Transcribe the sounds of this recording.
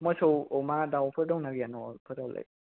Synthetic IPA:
mɔsowɔmadawpʰɯdɔwnaɡijanɔpʰɯɾdawlḛj̚

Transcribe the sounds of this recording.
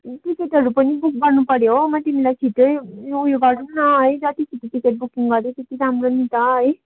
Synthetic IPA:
ʈikeʈɦʌɾupʌnibuk̚ɡʌrnupʌɾjomat̪imilajt͡sʰiʈʌjujoɡʌɽunʌɦʌjd͡zʌt̪isʰit̪iʈikeʈ̚bukiŋɡʌɾjet̪et̪iɾamronit̪aʌj

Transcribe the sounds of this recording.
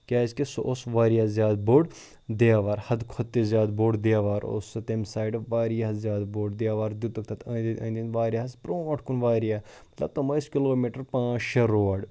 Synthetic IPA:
kʲaːzkesoʔosʋaːɾijaːzʲjaːd̪̚boːɖ | d̪eaːʋaːɾhɐd̪kʰot̪ːezjaːd̪boːɖd̪eaːʋaːɾo̰sɐt̪emsaːjɖʋaːɾjazjaːd̪boːɖd̪eaːʋaːɾd̪ut̪ɐk̚t̪ʰɐt̪ɐd̪iʔɐ̃ːnd̪inʋaːɾijaːsbɾõːʈʰkunʋaːɾijaːmɐt̪lɐ̰b̚t̪omɐskiloːmiːʈəɾpãːt͡ʃʃɐɾoːɐɖ

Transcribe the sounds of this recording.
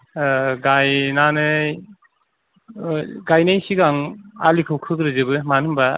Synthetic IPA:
ɡajnanɯj | ɡajnajsiɡaŋalikʰɯwkʰɯkɾɯzɯbɯmanɯmba

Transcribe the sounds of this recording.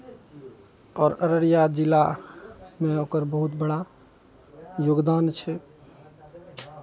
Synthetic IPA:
ɔːɾəɾəɽijad͡ʒila | meokəɾbəɦut̪bəɽa | joɡd̪ant͡ʃʰɛ

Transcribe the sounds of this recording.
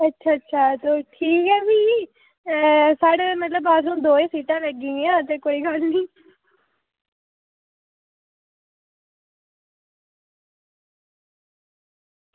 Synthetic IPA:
ətːʃʰaːətːʃʰaːt̪oːʈʰiːkɦɛːbiː | saːɽeːmət̪ləbaːsɾũːd̪oːẽːsiːʈãːləɡĩːãːt̪ekoːiːɡəlnĩː

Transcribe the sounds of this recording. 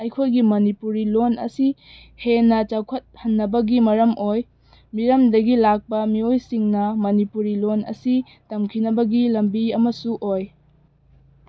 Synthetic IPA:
ɐjkʰojɡimɐnipuɾilonɐ̰si | henɐt͡ʃakʰɐt̚hɐnːɐbɐɡimɐɾɐmʔoj | miɾɐmdɐɡilak̚pɐmiojsiŋnɐmɐnipuɾilonɐ̰si | tɐmkʰinɐbɐɡilɐmbiɐmɐsuʔoj

